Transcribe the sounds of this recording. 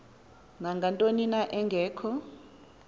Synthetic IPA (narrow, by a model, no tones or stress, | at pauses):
naŋɡʱantʼoninaʔɛŋɡʱɛːkʰɔ